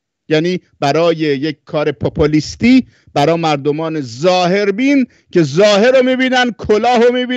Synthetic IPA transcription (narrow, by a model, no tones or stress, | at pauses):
jæːniːb̥æɾɒːje̞jekʲkʰːɒːɾe̞pʰopʰoliːst̪iː | b̥æɾɒːmæɾd̪omɒːne̞zɒːhe̞ɾbiːn | cʰe̞zɒːhe̞ɾomiːbiːnænd̪̚kʰolɒːɦomiːbiː